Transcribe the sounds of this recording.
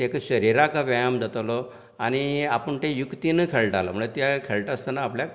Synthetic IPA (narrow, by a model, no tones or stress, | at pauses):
ekəɕəɾiɾakaʋajamd͡zat̪lɔ | aɽ̃iapəɳt̪ejukt̪inəkʰeɭʈala̰m̤əɭet̪jakʰeɭʈast̪anaːplja